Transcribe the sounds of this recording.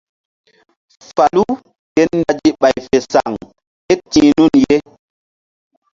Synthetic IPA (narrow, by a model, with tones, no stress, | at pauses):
fa˨lu˦ | kɛ˦nː˦da˦d͡ʒi˦ɓa˨jfe˨sa̰˨ŋ | e˦tĩ˨nu˦˨nje˦